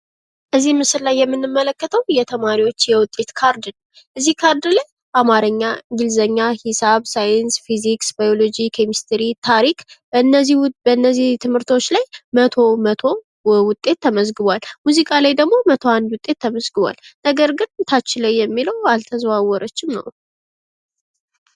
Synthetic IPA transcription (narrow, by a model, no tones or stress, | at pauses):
ʔɨzːimɨsɨllajːɛmːɨnːɨmːələkːət̪ʰəwjɛt̪ʰəmaɾiwo̞t͡ʃːjɛwʊt̪ʼːe̞t̪kʰaɾd̪nəw | ʔɨzːihkʰaɾd̪laj | bamaɾəɲːaɡɨlzəɲːahisaβsajənsfiziksbajolod͡ʒikʰemist̪ʰəɾit̪ʰaɾikbənəibəɨnːəzːit̪ʰɨmhɨɾt̪ʰo̞t͡ʃːlajmət̪ʰo̞mət̪ʰo̞ | wʊt̪ʼːe̞t̪ʰːəməzɡɨβʷalmuzikʼalajd̪əɡmo̞mət̪ʰo̞and̪wʊt̪ʼːe̞t̪ʰːəməzɡɨβʷa̰lnəɡəɾɡɨnt̪ʰat͡ʃːɪləjːɛmːiləwalt̪ʰəzwawːɔɾət͡ʃːɪmnə̰w